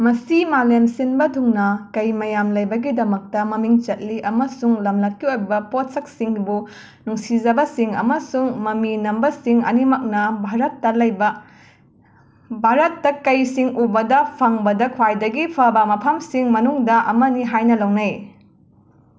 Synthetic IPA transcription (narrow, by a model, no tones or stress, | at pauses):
mɐsimalemsinbɐdʱuŋnɐkɐjmɐjamlɐjbɐɡidɐmɐk̚tɐmɐmiŋt͡ʃɐt̚liʔɐmɐsuŋlɐmlɐt̚kiojbɐpot̚sɐk̚siŋbu | nuŋsid͡ʒɐbɐsiŋɐ̰mɐsuŋmɐminɐmbɐsiŋɐ̰nimɐk̚nɐbʱaɾɐtːɐlɐjbɐ | bʱaɾɐtːɐkɐjsiŋubɐdɐpʰɐŋbɐdɐkʰwajdɐɡipʰɐbɐmɐpʰɐmsiŋmɐnuŋdɐʔɐmɐniɦajnɐlɐwnɐj